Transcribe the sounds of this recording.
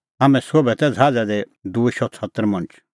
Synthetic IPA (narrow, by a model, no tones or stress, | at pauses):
ɦaːmɛ̃sobɛt̪ɛd͡zʱaːd͡zɛd̪ɛ | d̪uʃʰɔt͡sʰət̪ːəɾmɐ̃nt͡ʃ